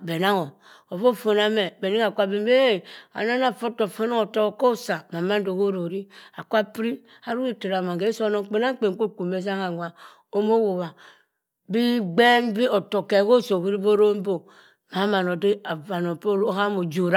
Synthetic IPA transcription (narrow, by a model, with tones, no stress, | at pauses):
be˨na˦ŋo˨ | o˨fo˦˨fo˨na˦me˨be˨ni˦ŋ˦a˨kʷa˦be˦m˦be˦˨a̰˨na˦na˨fo˦to˨fo˦no˦o˨to˦kko˦sa˨ma˨ma˦n˦do˨ko˦ɾo˨ɾi˦a˨kʷa˦pɾi˦ | a˨ɾu˦ɾi˦te˨ɾa˨ma˨ɡe˦so˦no˦ŋk͡pe˨na˦ŋ˦k͡pe˨ŋ˨ko˦˨ku˨me˦s̬a˦ŋa˨ŋʷa˨ | o˦mo˦wo˨βa˨ | bi˦ɡ͡be˦nbi˦o˨to˨ke˨ko˦so˨ki˦ɾi˦bo˦ɾo˦m˦bo˨ | ma˨˦ma˨no˨de˦a˨va˨no˨po˦ha˦mo˨d͡ʒo˨ɾa˦